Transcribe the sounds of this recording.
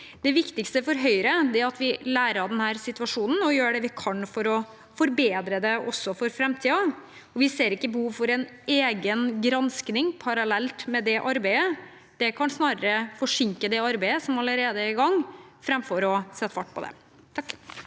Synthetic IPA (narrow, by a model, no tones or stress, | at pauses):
d̪̥ɛʋɪkt̪ɪkst̪əfɔɾɦœʏɾəd̪ɛæɾɑt̪ʋɪlæːɾəɾɑd̪ɛnhæːɾsɪt̪ʉʋɑʂuːnən̩ɔjøːɖɛʋɪkʰɑnfɔɾɔ | fɔɾbeːd̪ɾəd̪ɛʔɔsːɔfɔɾfɾɛmt̪ʰiːɑ | ɔʋɪseːɾɪkːəbəhuːʋfɔɾɛn | eːɡənɡɾɑnsknɪŋpʰɑɾɑlɛlt̪mɛd̪ɛʔɑɾbæɪə | d̪̥ɛkʰɑnsnɑːɾəɾəfɔʂɪŋkəd̪ɛɑɾbæɪəsɔmɑləɾeːd̪əæɾɪɡɑŋːfɾɛmfɔɾɔsɛt̪ːəfɑʈːpʰɔd̪ɛ̰